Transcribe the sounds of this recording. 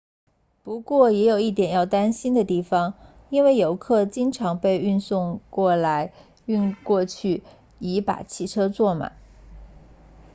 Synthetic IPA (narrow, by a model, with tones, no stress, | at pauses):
pu˧˥kwɔ˥˩jɛ˧˥jo˨˩ʊi˥˩t̪jɛ˨˩njɑ˥˩ʊt̪a˥nɕi˥nd̪ə˨t̪i˥˩fɑ˩ŋ | i˥nwe˥˩ɪjo˧˥ʊkʰɤ˥˩t͡ɕi˥ŋʈ͡ʂʰɑ˧˥ŋpe˥˧ɪy˥˧nsʊ˥˧ŋkwɔ˥˩la˧˥ɪ | y˥˧nkwɔ˥˧t͡ɕʰy˥˩ | i˧˥pa̰˨˩t͡ɕʰi˥˩ʈ͡ʂʰɤ˥t͡swɔ˥˩ma̰˨˩˦